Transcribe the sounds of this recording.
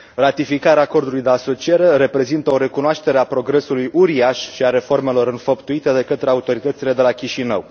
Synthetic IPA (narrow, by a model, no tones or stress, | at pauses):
rat̪ifikaɾeaːko̞rd̪ulujd̪e̞aso̞t͡ʃieɾe̞ɾe̞pɾe̞zint̪əo̞ɾe̞kunoaʃt̪e̞ɾe̞apɾo̞ɡɾe̞sulujʔuɾiaʃʃiaɾe̞fo̞rme̞lo̞ɾɨnfəpt̪uit̪e̞d̪e̞kət̪ɾe̞aut̪o̞ɾit̪ət̪sile̞d̪e̞lakʲiʃinə̰w